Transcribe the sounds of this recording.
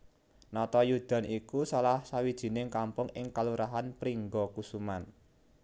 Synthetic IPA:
nɔt̪ɔjud̪̥a̤nʔikusalahsawid̥ʒ̥i̤nɪŋkampʊŋɪŋkaluɾaɦanpɾiŋɡɔkusuman

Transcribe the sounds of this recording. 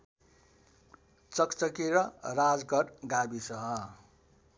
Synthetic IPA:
t͡sʌkt͡sʌkeɾʌrad͡zɡʌɽɡabisʌɦʌ

